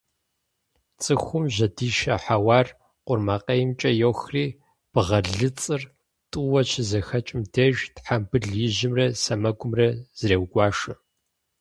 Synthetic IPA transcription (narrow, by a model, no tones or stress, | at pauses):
t͡sʼɨxʷʊmʑɐdiːʃɐħawɑːr | qʷʊrmaːqɐjɪmt͡ʃʼɐjowxriː | b̥ɨʁɐɮɨt͡sʼɨr | tʼuwɐt͡ʃʰɪzɐxɐt͡ʃʼɪmdʰɐʒtħambɨɮjɪʑɪmrɐsɐmɐɡʷʊmrɐz̥reːwɡʷɑːʂɨ